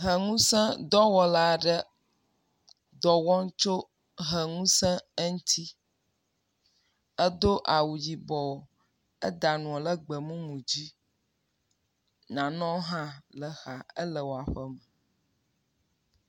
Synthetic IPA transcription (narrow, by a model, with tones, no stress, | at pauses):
ɦə˨ŋũ˦sɛ̃˦d̪ɔ˦wɔ˨la˨ɖə˦ | d̪ɔ˨wɔ̃˦ŋ˦t͡ʃo˦ | ɦə˨ŋũ˦sɛ̃˦ə˦ŋ̩˦t̪ʰi˦ | ɛ˦d̪o˦ʔa˨wu˨d͡ʑi˨bɔ˨o˨ | ə̰˦d̪a˨nũ˨ɔ˨lə˦ɡ͡bə˨mũ˦mũ˨d͡ʑi˦ | nã˨nɔ̃˦ɦã˦lə˨xa˨ə˦lə˨wo˨a˨ɸə˦mə˨